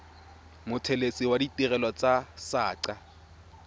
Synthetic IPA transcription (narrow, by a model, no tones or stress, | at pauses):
mʊtʰelesɪwaditʼɪrɛlɔt͡sʼasaːǀa